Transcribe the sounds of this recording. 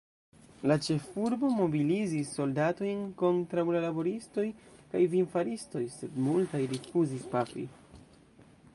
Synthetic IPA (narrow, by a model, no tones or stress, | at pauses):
lat͡ʃe̞fuɾbo̞mo̞bilizisːo̞ldato̞jnko̞ntɾawlalabo̞ɾisto̞jkajvinfaɾisto̞jse̞dmultajɾifuzispafḭ